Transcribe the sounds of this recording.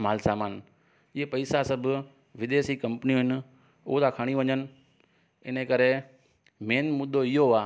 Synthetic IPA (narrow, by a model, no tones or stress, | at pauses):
maːlsaːmaːn | iepɐɪsasɐbʱʊ | ʋɪd̪eːsikɐ̃mpənijũɦɪn̆ | ʊɦot̪ʰakʰaɽ̃iʋɐ̃ɲənɪ̆ | ɪnəkɐɾe | meːnmʊd̪ːoɪɦoaː